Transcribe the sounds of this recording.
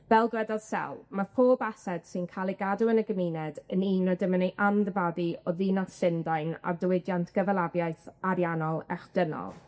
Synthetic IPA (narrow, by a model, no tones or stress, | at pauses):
vɛlˠɡrɛdɔð̥sɛ̰lˠmafʰoːbasɛd̥sɨnkʰalˠiɡaduənəɡəminɛdəniːnɔdəmənejʔamðəvadiɔðiːnasɪndajna̰rdəwɪdjantʰɡ̥əvɛlˠavjaɨθaɾjanɔlˠɛ̰χd̥ənɔ̰lˠ